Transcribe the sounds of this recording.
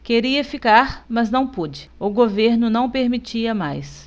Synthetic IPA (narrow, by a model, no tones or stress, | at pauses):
keɾiɐfikaɾmɐznɐ̃w̃pud͡ʒɪʊɡoveɾnʊnɐ̃w̃peɾmit͡ʃiɐmajs